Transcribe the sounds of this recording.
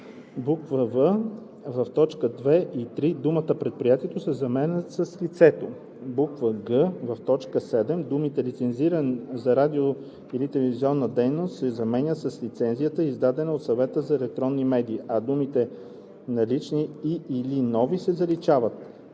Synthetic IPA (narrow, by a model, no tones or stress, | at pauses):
bukvəvə | vɐft̪ɔt͡ʃkəd̪vɛʔit̪ɾid̪umət̪əpɾɛt̪̚pɾijat̪iɛt̪osɛzɐmɛnʲəsəslit̪sɛt̪o | bukvəɡəvɐft̪ɔt͡ʃkəsɛd̪ɛmd̪umit̪ɛlit̪sɛnziɾənizɐɾad̪io | ilit̪ɛlɛviziɔnːəd̪ɛjnost̪sɛzɐmɛnʲəsəslit̪sɛnzijət̪əizd̪ad̪ɛnəot̪sɐvɛt̪əzɐɛlɛk̚t̪ɾɔnːimɛd̪iːɐd̪umit̪ɛ | nɐlit͡ʃniiːlinɔvisɛzɐlit͡ʃavət̪̚